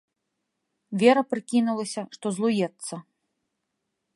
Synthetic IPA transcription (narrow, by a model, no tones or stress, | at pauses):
vʲɛɾɐpɾɨkʲinulˠɐsʲɐʂt̪ɔzlˠujɛt̪sːɐ